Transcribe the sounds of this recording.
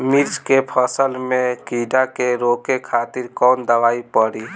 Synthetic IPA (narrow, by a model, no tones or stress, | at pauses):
miɾd͡ʒkepʰəsəlmẽkiːɖakeɾoːkekʰaːt̪ɪɾkɔːnd̪əʋaːipəɽiː